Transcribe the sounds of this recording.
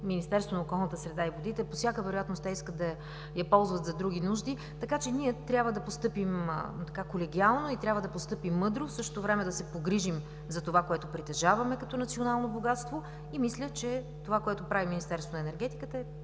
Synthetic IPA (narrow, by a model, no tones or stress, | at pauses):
minist̪ɛɾst̪vonəokɔlˠnət̪əsɾɛd̪aivod̪it̪ɛposjakəvɛɾoʊjat̪nost̪ɛiskət̪d̪ɐ | jɐpɔlˠzvət̪zɐd̪ɾuɡʲinuʒd̪i | t̪ɐkat͡ʃɛniɛt̪ɾʲabvəd̪ɐpost̪ɤpim̰t̪ɐkakolɛɡʲialˠnoit̪ɾʲabvəd̪ɐpost̪ɤpimːɤd̪ɾofsɤʃt̪ot̪ovɾɛmɛd̪ɐsɛpoɡɾiʒim | zɐt̪ovakoɛt̪opɾit̪ɛʒavɐmɛkɐt̪ɔnɐt̪sionalˠnoboɡat̪st̪vo | imislʲət͡ʃɛ | t̪ovakoɛt̪opɾaviminist̪ɛɾst̪vonɐɛnɛɾɡɛt̪i̥kət̪əɛ